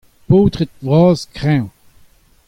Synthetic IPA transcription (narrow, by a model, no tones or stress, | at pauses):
poːt̪ʁet̪̚vʁɑːzkʁɛ̃